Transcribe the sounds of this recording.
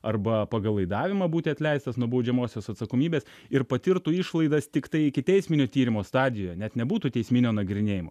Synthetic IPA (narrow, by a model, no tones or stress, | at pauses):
ɐrbɐpɐɡɐlˠɐɪd̪ɑːʋʲɪmɑbuːt̪ʲɪɐt̪ʲlʲɛɪst̪ɐsnubɐʊd͡ʒʲɛmoːsʲoːsɐt̪sɐkoːmʲiːbʲeːs | ɪɾpɐt̪ʲɪɾt̪uːɪʃlˠɐɪd̪ɐst̪ʲɪkt̪ɐɪɪkʲɪt̪ʲɛɪsʲmʲɪnʲoːt̪ʲiːɾʲɪmoːst̪ɑːd̪ʲɪjoːjɛnʲɛt̪nʲɛbuːt̪uːt̪ʲɛɪsʲmʲɪnʲoːnɐɡɾʲɪnʲeːjɪmoː